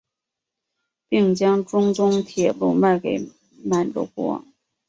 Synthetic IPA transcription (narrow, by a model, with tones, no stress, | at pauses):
pi˥˩ŋt͡ɕjɑ˥ŋʈ͡ʂʊ˥ŋt͡sʊ˥ŋt̪ʰjɛ˨˩lu˥˧ma˥˩ɪke˨˩ɪ | ma˨˩nʈ͡ʂɔ̰˥˩kwɔ̰˥ŋ